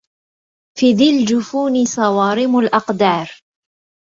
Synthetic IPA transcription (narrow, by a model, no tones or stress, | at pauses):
fiðɪld͡ʒʊfuːnɪsˤɑwɑːɾɪmʊlʔɑqd̪ɑːɾˤ